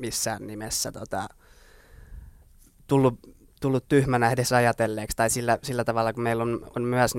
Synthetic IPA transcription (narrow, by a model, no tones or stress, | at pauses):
misːæːnnimesːæ̰t̪ot̪ɑ | t̪ulːu | t̪ulːut̪t̪yhmænæedesɑjɑt̪elːeːkst̪ɑisilːæsilːæt̪ɑʋɑlːɑkumeilːono̰nmyæsn